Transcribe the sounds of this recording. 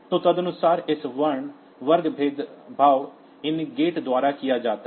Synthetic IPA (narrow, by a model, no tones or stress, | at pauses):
t̪õːt̪əd̪ənʊsaːɾɪsʋəɳ | ʋəɾɡbʱeːd̪bʱaːw | ɪniɡeːʈd̪ʊaːɾaːkɪjaːd͡ʒaːt̪a